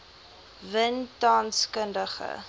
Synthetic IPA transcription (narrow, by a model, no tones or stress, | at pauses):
vəntɑːnskəndəχə̰